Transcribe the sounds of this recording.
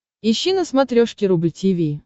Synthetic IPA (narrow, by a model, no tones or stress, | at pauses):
ɪɕːinəsmat̪ɾʲoʂkʲɪɾubɨtʲivʲij